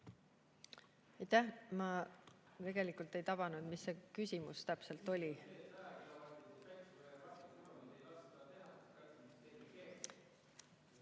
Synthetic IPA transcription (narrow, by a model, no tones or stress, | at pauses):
ɑjt̪ːæmɑ | t̪e̞ɡ̥e̞likult̪ːˑe̞jt̪ɑb̥ɑnud̪̥misːe̞kysʲimust̪æpse̞lt̪ːˑo̞lʲi